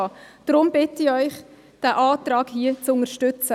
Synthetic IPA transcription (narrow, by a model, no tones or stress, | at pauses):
d̪̥ɾʊmb̥ɪtiœʏχ | d̥æːʔɑːtrɑːɡhiət͡sʊŋəɾʃtʏt͡sə